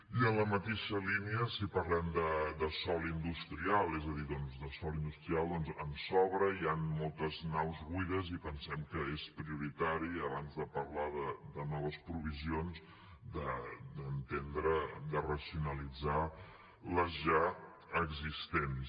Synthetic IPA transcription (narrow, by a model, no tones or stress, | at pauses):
iənləmət̪eʃəliniəsipəɾlɛmd̪əd̪əsɔlind̪ust̪ɾialˠɛzəðiðɔnzðəsɔlind̪ust̪ɾialˠd̪ɔnzənsɔβɾəianmɔlˠt̪əznawzɣwiðəzipənsɛmkəespɾiuɾit̪aɾiəβanzðəpəɾlaðəd̪ənɔβ̞əspɾuβ̞izionz | d̪əd̪ənt̪end̪ɾəd̪ərəsiunəlid͡za | ləzʒa | əɡzist̪en